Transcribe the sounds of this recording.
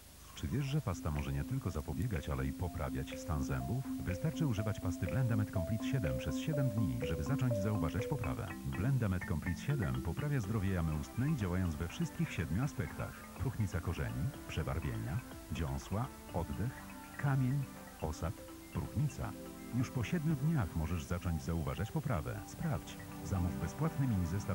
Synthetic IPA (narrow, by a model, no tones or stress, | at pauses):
t͡ʂɘvʲjɛʐʐɛpast̪amɔʐɛɲɛt̪ɘlkɔzapɔbʲjɛɡat͡ɕalɛipɔpɾa̰vʲjat͡ɕst̪anzɛ̰mbufvɘst̪aɾt͡ʂɘuʐɘvat͡ɕpast̪ɘblɛnd̪amɛt̪kɔmplʲit̪ɕɛd̪ɛmpʂɛsɕɛd̪ɛmd̪ɲiʐɛbɘzat͡ʂɔɲd͡ʑzauvaʐat͡ɕpɔpɾa̰vɛ̰blɛnd̪amɛt̪kɔmplʲit̪ɕɛd̪ɛ̰mpɔpɾavʲjazd̪ɾɔvʲjɛjamɘust̪nɛid͡ʑawajɔ̃nt̪zvɛfʂɘst̪̚kʲixɕɛd̪mʲuaspɛkt̪a̰x | pɾuxɲit̪sakɔʐɛ̰ɲipʂɛba̰ɾvʲjḛɲa̰ | d͡ʑɔ̰̃w̃swa | ɔd̪d̪ɛx | kamʲjeɲ | ɔsat̪ | pɾṵxɲit̪sa̰ | juʂpɔɕɛd̪mʲud̪ɲaxmɔʐɛʐzat͡ʂɔɲd͡ʑzauva̰ʐat͡ɕpɔpɾa̰vɛ̰spɾaft͡ɕ | zamuvbɛspwat̪nɘmʲinzɛst̪a